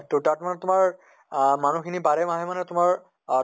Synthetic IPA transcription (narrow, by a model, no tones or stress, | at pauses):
totaɹtmanɛtʊmaɹ | manukʰinibaɹɛmaɦɛmanɛtʊmaɹ